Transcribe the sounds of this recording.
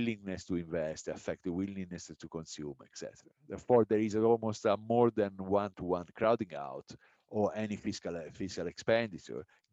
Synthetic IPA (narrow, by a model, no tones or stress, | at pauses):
lĩŋnɛst̪uĩɱvɛst̪afɛk̚t̪wilĩŋnɛst̪ukõnsjṵmɛ̰ksɛ̰t̪ɛɾad̪ɛɹfɔɾd̪ɛɾizɔlmost̪əmɔɾd̪ɛ̃nwãnt̪uwãnkɾawd̪ĩŋɡa̰wt̪ | ɔɹɛnifiskalfiskalɛkspɛ̃nd̪itə̰ɹ